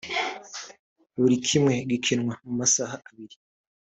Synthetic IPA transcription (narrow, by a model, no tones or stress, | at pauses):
βuɾikʰimŋe̞ɡikʰinŋwamumasahaʔaβiɾi